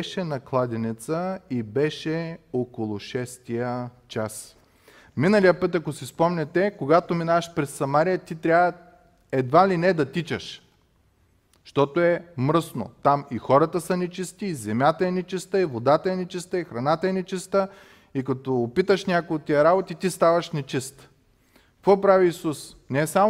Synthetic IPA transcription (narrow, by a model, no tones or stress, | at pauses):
ɛʃɛnɐklˠad̪ʲɛnɛt̪səibɛʃɛokolˠʊʃɛst̪ijət͡ʃas | minəlijəpɤt̪ɐkosispɔmnʲɛt̪ɛkoɡat̪ominavɐʃpɾɛsːɐmaɾijət̪it̪ɾʲavə | ɛd̪valinɛd̪ɐt̪it͡ʃɐʃ | ʃt̪ɔt̪oɛmɾɤsno̰t̪amixɔɾɐt̪əsɐnɛt͡ʃist̪iːzɛmʲjat̪ɐɛnɛt͡ʃist̪əivod̪at̪əɛnɛt͡ʃist̪əixɾɐnat̪əɛnɛt͡ʃist̪ə | ikɐt̪ɔːpit̪əʃnʲakojot̪̚t̪ːijəɾabot̪it̪ist̪avɐʃnɛt͡ʃist̪ | kɔpɾaviːsus | nɛsam